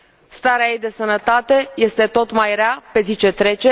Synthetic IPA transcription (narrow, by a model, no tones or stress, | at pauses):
st̪aɾeajejd̪e̞sənət̪at̪e̞je̞st̪e̞t̪o̞t̪majɾeape̞zit͡ʃe̞t̪ɾe̞t͡ʃe